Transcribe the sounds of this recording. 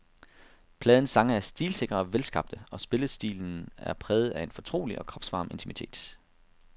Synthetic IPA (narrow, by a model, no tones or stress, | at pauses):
pʰlɛːðˠn̩sɑ̈ŋɐæɐsd̥iːlse̝ɡ̥ʁɐʋelsɡ̥ɑ̈b̥̚d̥əɒ̽sb̥e̝ləsd̥ḭːln̩æɐpʰʁɛːð̩ˠæe̝nfɒ̽t͡sʰʁo̝̰ːliʔɒ̽kʰʁɒ̽b̥sʋɑ̈ːme̝nt͡sʰimit͡sʰe̝̰ːd̥